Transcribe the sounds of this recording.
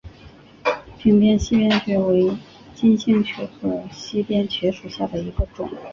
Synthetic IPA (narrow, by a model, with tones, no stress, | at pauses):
pʰi˧˥ŋpjɛ˥nɕi˥pjɛ˥˧nt͡ɕʰɥɛ˧˥we˧˥ɪ | t͡ɕi˥nɕi˥˩ŋt͡ɕʰɥɛ˧˥xɤ˧˥ɕi˥pjɛ˥˧nt͡ɕʰɥɛ˧˥ʂu˨˩ɕja˥˩d̪ə˩i˧˥ɡə˧ʈ͡ʂʊ̰˨˩˦ŋ